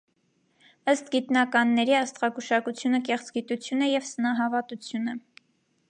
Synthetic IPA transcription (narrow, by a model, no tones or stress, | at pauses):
əst̪ɡit̪nɑkɑnːɛɾiɑst̪ʁɑkuʃɑkut͡sʰjunəkɛχt͡sɡit̪ut͡sʰjunɛjɛvsənɑɦɑvɑt̪ut͡sʰjunə